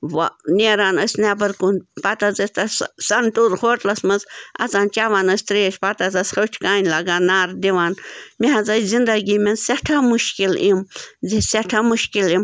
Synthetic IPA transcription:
ʋanʲeːɾaːnəsʲnabɐɾkunpat̪azɐsʲt̪ɐssɐnʈuɾxoːʈlɐsmɐzɐ̰t͡saːnt͡ʃaːʋaːnɐsʲt̪ɾeːʃpat̪azɐsʲxɐʈʲʰkaːnʲlaɡaːnaːɾd̪iʋaːnmiɦazajzind̪ɐɡimenseʈʰamuʃkilimziseʈʰaːmuʃkilim

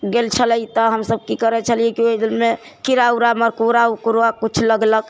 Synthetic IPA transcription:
ɡelt͡ʃʰələjt̪ɔɦəmsəb̚kikəɾɛt͡ʃʰəliekioid̪ilme | kiɾauɾaməɾkuɾaukuɾakut͡ʃʰləɡlək

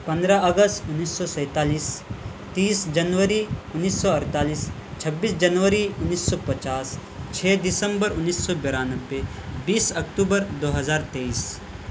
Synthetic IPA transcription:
pɐ̃nd̪ɾaɐɡəst̪ʊnːiːsːɔsɛ̃ːt̪aːliːs | t̪iːsd͡ʒɐnʋəɾiʊnːiːsːɔɐɾt̪aːliːs | t͡ʃʰɐbːiːsd͡ʒɐnʋəɾiʊnːiːsːɔːpɐt͡ʃaːst͡ʃʰeːd̪ɪsə̃mbəɾʊnːisːɔbeɾaːnəbːebiːsɐkʈuːbəɾd̪oːɦɐzaːɾt̪eːiːs

